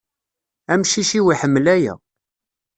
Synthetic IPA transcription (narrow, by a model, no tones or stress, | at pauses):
æmʃiʃiwiħəmːlæjæ̰